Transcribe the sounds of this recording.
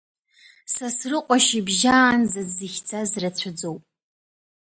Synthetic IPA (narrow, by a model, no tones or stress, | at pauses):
sasrɨqʷʼaʃibʒaːnzazɨxʲd͡zʰʼazrat͡ɕʷʰad͡zowpʼ